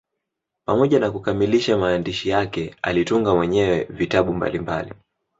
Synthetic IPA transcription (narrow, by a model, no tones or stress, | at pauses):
pamɔʄanakukamiliʃamaːndiʃijakɛa̰lituŋɡamwɛɲɛwɛvitaɓumba̰limbali